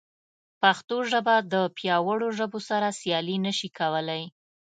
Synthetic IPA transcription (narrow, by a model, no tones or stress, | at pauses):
paxt̪oʒəbad̪əpjɑwəɽoʒəbosaɾasjɑlinəʃikʰawəlaj